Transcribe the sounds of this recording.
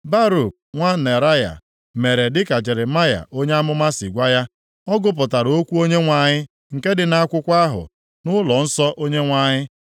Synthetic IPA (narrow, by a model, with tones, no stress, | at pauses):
ba˦ɾu˨k̚ŋʷa˦ne˨ɾa˦ja̰˨ | me˨ɾe˨dɪ˦ka˨d͡ʒe˨ɾe˨ma˦ja̰˨ʔo˦ɲe˦a˦mʊ˦ma˦si˨ɡʷa˦ja˦ | ɔ˦ɡʊ˦p̬ʊ˨ta˨ɾo˦kʷu˦o˦ɲe˦ŋʷa˨ɲɪ˦ | ŋ̩˨ke˦dɪ˨na˦kʷʊ˦kʷa˦ɦʊ̰˨ | nʊ˦lɔ˨n̩˦sɔ˦ʔo˦ɲe˦ŋʷa˨ɲɪ˦